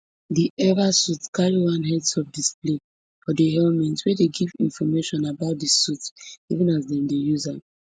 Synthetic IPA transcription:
diʔɛvasutskʰaɹiwãnɦɛdsɔfdisple | fɔdiɦɛlmɛ̃ntwɛdeɡivḭ̃nfɔmeʃɔ̃nabaʊt̚dəsutivĩnazðɛ̃mdejuza

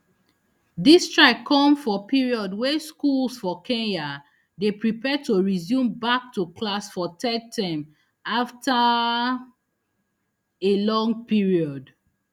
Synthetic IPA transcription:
distɹakʰːɔ̃mfɔpiɹiɔdwɛskulsfɔkʰɛ̃nja | depɹipɛtoɹizjũmbak̚tukʰlasfɔtʰɛtʰãm | afta | elɔ̃ŋɡ̚piɹiɔd

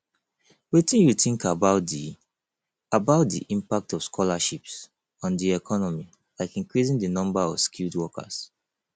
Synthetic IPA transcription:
wetĩnjuθĩŋkabaʊt | abaʊt̚dḭʔĩmpak̚tɔv̥skʰɔlaʃips | ɔ̃ndiɛkʰɔnɔmi | laɪkĩŋkɹisĩŋdənɔ̃mbaɔ̰v̥skʰildwɔkʰə̰s

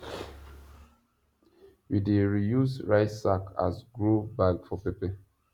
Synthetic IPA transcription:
wideɹijusɹaɪsakʰa̰sɡɹobaɡfɔpepɛ

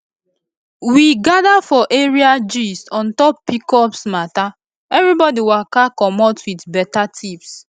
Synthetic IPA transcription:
wiɡadafɔʔeɹiad͡ʒisɔ̃ntɔpːikɔpsmata | ɛvɹibɔdiwakakɔmɔtwitbɛtatʰips

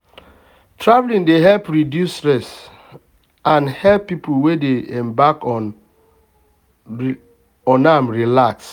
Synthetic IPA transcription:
tɹavlĩndeɦɛlpɹidjustɹɛs | ãnhɛlpːipuwedeɛ̃mbakɔ | ɔ̃namɹilaks

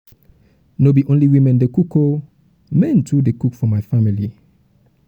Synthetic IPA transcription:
nobiʔõnliwĩmɛ̃ndekukʰo | mɛ̃ntʰudekukfɔmaɪfamili

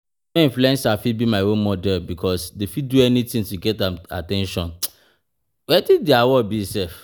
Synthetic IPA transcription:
ɔ̃ĩɱfluɛ̃nsafibimaɪwõnmɔdɛlbikʰɔsdefiduɛnitĩŋtuɡɛtãma̰tɛ̃nʃɔ̃n | wɛtideawɔbisɛf

